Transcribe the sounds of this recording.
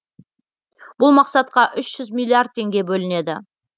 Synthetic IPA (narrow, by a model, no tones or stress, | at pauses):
b̥ʊlˠmɑqsɑt̪̚qɑʔʏʃʒ̥ʏzmʲilʲːiard̪̚t̪ʰe̞ŋɡʲe̞bɵlɪne̞d̪ɪ